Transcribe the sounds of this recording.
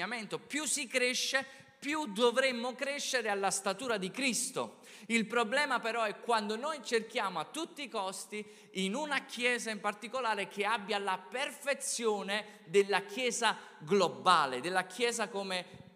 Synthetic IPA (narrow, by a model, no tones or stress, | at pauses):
ament̪opjusːikɾeʃːe | pjud̪ovɾemːokɾeʃːeɾealːast̪at̪uːɾad̪ikɾist̪o̰ | ilpɾoblɛːmapeɾɔɛkːwand̪onojt͡ʃerk̟jaːmoat̪ːut̪ːikɔst̪i | inunakʰjɛːzaimpart̪ikolaːɾek̟eabːjalaperfet̪sːjoːne | d̪elːakjɛːzaɡlobaːled̪elːakʰjɛːzakome